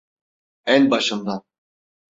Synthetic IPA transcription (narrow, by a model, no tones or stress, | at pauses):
ænbaʃɯmd̪a